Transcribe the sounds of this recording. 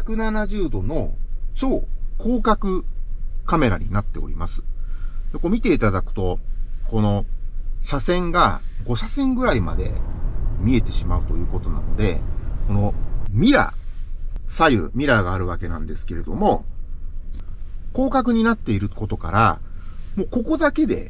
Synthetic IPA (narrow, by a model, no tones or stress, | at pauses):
çakɯ̟nanaʑɨːd̪o̞no̞t͡ɕo̞ːkʰo̞ːkakɯ̟kame̞ɾaɲ̟inat̪ːe̞oɾʲimasɨ̥d̪eko̞mʲit̪e̞it̪ad̪akɯ̟̥t̪o̞ko̞no̞ɕasẽ̞ŋɡaɡo̞ɕasẽ̞ŋɡɯ̟ɾaima̰d̪e̞̰mʲie̞t̪e̞ɕimaɯ̟t̪o̞jɯ̟ːko̞t̪o̞na̰no̞d̪e̞̰ko̞no̞mʲiɾa̰ | sajɯ̰mʲiɾaɡaːɾɯ̟β̞ake̞nãnd̪e̞sɨ̥ke̞ɾe̞d̪o̞mo̞ | ko̞ːkak̬ɯ̟ɲ̟inat̪ːe̞iɾɯ̟ko̞t̪o̞ka̰ɾa̰mo̞ːko̞ko̞d̪ake̞d̪e̞̰